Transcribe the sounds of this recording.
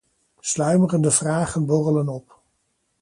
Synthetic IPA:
slœɥmərəndəvraːχənbɔrələnɔp

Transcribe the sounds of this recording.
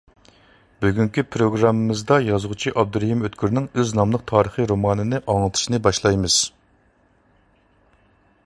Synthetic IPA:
byɡʲyŋkʲipʰɾoɡɾɑmːɨmɨzd̪ɑjɑzʁʊt͡ʃʰiʔɑb̚d̪uɾæhimøt̪kʲʰyɾnɪŋøznɑmlˠəq̚t̪ʰɑːɾəχɨɾomɑːnɨnɨʔɑŋɨt̪ʰɨ̥ʃinɨbɑʃlˠɑjmɨz̥

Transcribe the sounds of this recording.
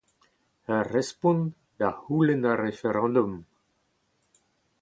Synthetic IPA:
arɛspũn | d̪ahulenarefeɾɑ̃d̪um

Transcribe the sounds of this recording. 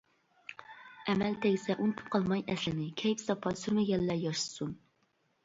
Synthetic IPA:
ɛmɛlt̪ʰeɡʲɪsɛʔunt̪ʰu̥p̚qʰɑlˠmɑjʔɛslɪnɪkʲʰɛjpsɑpʰɑsyɾmɪɡʲɛlːɛjɑʃɨ̥sun

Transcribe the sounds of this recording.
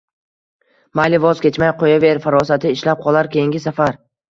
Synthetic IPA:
majlɪvɒzkʲe̞t͡ʃmajqʰojave̞ɾfaɾɒsat̪ʰɪːʃlap̚qʰɒlˠaɾkʲe̞jɪŋɡʲɪsafaɾ

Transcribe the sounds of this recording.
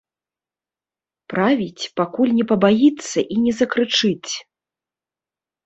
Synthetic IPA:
pɾavʲit͡sʲpakulʲnʲɛpɐbajit̪sːɐʔinʲɛzɐkɾɨt͡ʂɨt͡sʲ

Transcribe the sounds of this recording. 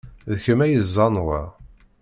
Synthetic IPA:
ðəçəmæjəzˤːɑnʁæ̰

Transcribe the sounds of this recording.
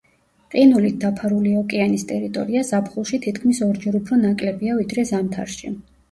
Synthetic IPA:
qʼinulit̪̚d̪apʰaɾuliɔkʼɛanist̪ʼɛɾit̪ʼɔ̰ɾiazapʰχulˠʃit̪ʰit̪ʰkʰmisɔɾd͡ʒɛɾupʰɾɔnakʼlɛbiavid̪ɾɛzamt̪ʰa̰ɾʃḭ

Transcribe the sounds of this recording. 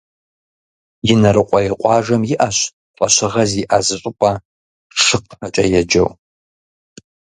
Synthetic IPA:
jɪnɐɾɨqʷʼɔjɛqʷʼɑːʒɐmjɪʔaɕ | qʷʼɐɕɪʁɐziʔazɨɕʼɪpʷʼa | ʂɨq̚ħɐt͡ʃʼɐjɛd͡ʒɐ̰w

